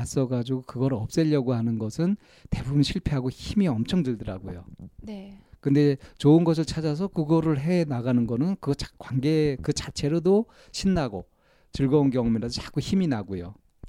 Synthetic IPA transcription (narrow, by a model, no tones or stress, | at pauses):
as͈ʌɡad͡ʑiɡokɯɡʌɾɯʌp̚s͈ʌʎːʌɡohanɯnɡʌsʰɯn | te̞bubɯnɕʰiɭpʰeɦaɡoçimiʌmt͡ɕʰʌŋdɯɭdɯɾa̰ɡo̰jonekɯnde̞t͡ɕoɯnɡʌs̬ʰɯɭt͡ɕʰad͡ʑas̬ʰʌkɯɡʌɾɯɭɦe̞naɡanɯnɡʌnɯnkɯʌt͡ɕakwaŋɡe̞kɯt͡ɕat͡ɕʰe̞ɾodo | ɕʰinːaɡo | t͡ɕɯɭɡʌonkjʌŋmeɾadot͡ɕak͈uçiminaɡojo̰